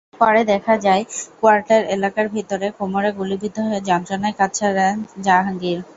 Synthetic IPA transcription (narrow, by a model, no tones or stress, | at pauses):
paɾed̪ɛkʰad͡ʑaekoaɾʈeɾelakaɾbʱit̪oɾekomoɾeɡulibid̪ʱːoɦed͡ʑant̪ɾanaekatːɕʰaɾd͡ʑaɦaŋɡiɾ